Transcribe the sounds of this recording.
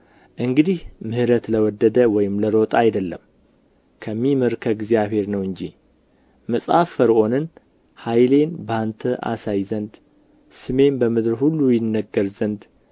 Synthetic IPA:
ʔɨŋɡɨd̪ihmɨhɾət̪ləwɔd̪ːəd̪əwɔjɪmləɾo̞t̪ʼajd̪əlːəm | kʰəmːiməɾkʰəɡzijaβhe̞ɾnəwɨɲd͡ʒḭ | məsʼhafːəɾʔo̞nɨn | hajle̞nbant̪ʰəʔa̰sajzənd̪ | sɨme̞nbəmɨd̪ɾhulːujɪnːəɡəɾzənd̪

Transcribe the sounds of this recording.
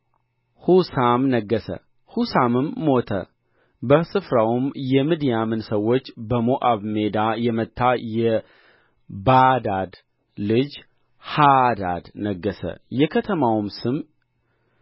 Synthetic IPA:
husamnəɡːəsə̰ | husamɨmːo̞t̪ʰə̰ | bəsɨfɾawumjɛmɨd̪ijamɨnsəwːo̞t͡ʃːbəmoʔaβme̞d̪ajɛmət̪ːajɛ | bad̪ad̪ | lɨd͡ʒ | had̪ad̪nəɡːəsə̰jɛkʰət̪ʰəmawmsɨm

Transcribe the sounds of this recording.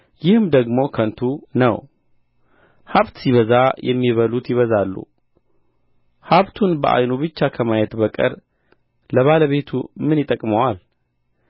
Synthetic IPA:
jɪhɨmd̪əɡmo̞kʰənt̪ʰunə̰w | haβt̪siβəzajʔɛmːiβəlut̪jɪβəzalːṵ | haβt̪ʰunbəʔa̰jnubɨt͡ʃːakʰəmajɛt̪bəkʼə̰ɾ | ləβaləβe̞t̪ʰṵmɨnjɪt̪ʼəkʼməwal

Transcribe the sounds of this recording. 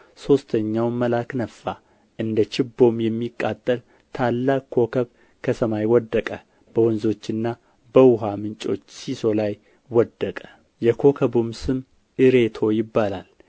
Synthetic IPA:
so̞st̪ʰəɲːawməlaknəfːa | ʔɨnd̪ət͡ʃɪbːo̞mjɛmːikʼːat̪ʼːəl | t̪ʰalːakkʰːo̞kʰəβ | kʰəsəmajwɔd̪ːəkʼə | b̥əwɔnzo̞t͡ʃːɨnːa | bəwʊɦamɨnt͡ʃʼo̞̰t͡ʃːsiso̞laj | wɔd̪ːəkʼə̥ | jɛkʰo̞kʰəbumsɨm | ʔɨɾe̞t̪ʰo̞jɪbːalal

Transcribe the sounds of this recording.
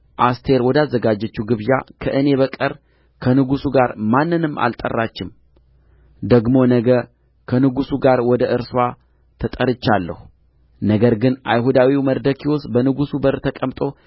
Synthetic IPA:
ʔast̪ʰe̞ɾwɔd̪azːəɡad͡ʒːət͡ʃːuɡɨβja̰kʰəʔɨne̞βəkʼəɾ | kʰənɨɡusuɡaɾmanːɨnɨmːa̰lt̪ʼə̰rːat͡ʃːɪm | d̪əɡmo̞nəɡə | kʰənɨɡusuɡaɾwɔd̪əʔɨɾswa | t̪ʰət̪ʼəɾɨt͡ʃːalːə̰hu | nəɡəɾɡɨnajɦud̪awiməɾd̪əkʰiwosbənɨɡusubəɾt̪ʰəkʼəmt̪ʼo̞

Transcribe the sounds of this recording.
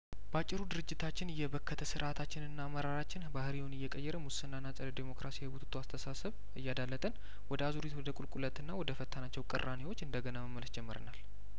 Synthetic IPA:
bəat͡ʃʼːɪɾud̪ɨɾɨd͡ʒːɪt̪ʰat͡ʃːɪnɨjːɛβəkʰːət̪ʰəsɨɾʔat̪ʰat͡ʃːɪnɨnːaːmːəɾaɾat͡ʃːɪnbahɨɾiwunɨjːɛkʼəjːɛɾəmʊsɨnːanːasʼələd̪emo̞kɾasijhɨwut̪ʰɨ̥t̪ʰoast̪ʰəsasəβ | ɨjːad̪alːət̪ʼən | wɔd̪əazuɾit̪wɔd̪əkʼulkʼulət̪ɨnːawɔd̪əfət̪ʰːanat͡ʃːɛwkʼɨ̰rːanewo̞t͡ʃːɨnd̪əɡənaməmːələsd͡ʒɛmːəɾə̰nal

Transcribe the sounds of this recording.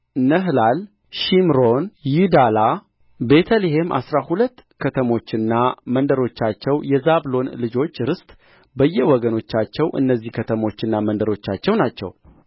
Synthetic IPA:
nəɦlal | ʃimɾo̞njud̪ala | be̞t̪ʰəliɦemʔa̰sɾahulət̪ːkʰət̪ʰəmo̞t͡ʃːɪnːamənd̪əɾo̞t͡ʃːat͡ʃːɛwjɛzablo̞nlɨd͡ʒo̞t͡ʃːɾɨst̪ʼ | bəjːɛwɔɡəno̞t͡ʃːat͡ʃːɛwʔɨ̰nːəzːihkʰət̪ʰəmo̞t͡ʃːɪnːamənd̪əɾo̞t͡ʃːat͡ʃːɛwnat͡ʃːɛ̰w

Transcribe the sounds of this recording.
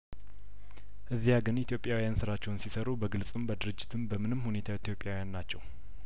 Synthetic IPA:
ʔɨzːijaɡɨnit̪ʰjo̞pʼjawijansɨɾat͡ʃːɛwnsisəɾubəɡɨlsʼɨmbəd̪ɨɾɨd͡ʒːɪt̪ʰɨmbəmɨnɨmhune̞t̪ʰawt̪ʰjo̞pʼjawijanːat͡ʃːɛw

